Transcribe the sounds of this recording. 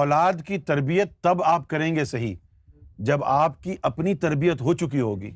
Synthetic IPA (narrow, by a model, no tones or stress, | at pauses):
ɔːlaːd̪kit̪ɐɾbijət̪ːɐbaːp̚kɐɾẽːŋɡesɐɦḭ | d͡ʒɐbaːpkiʔɐpnit̪ɐɾbijət̪ɦoːt͡ʃʊk̬iɦoːɡḭː